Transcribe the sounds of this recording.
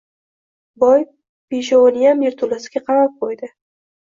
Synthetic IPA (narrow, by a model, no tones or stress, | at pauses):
bɒj | peʃ̬awonijameɾt̪ʰʊlasɪɡʲaqʰɑmap̚qʰojd̪ɪ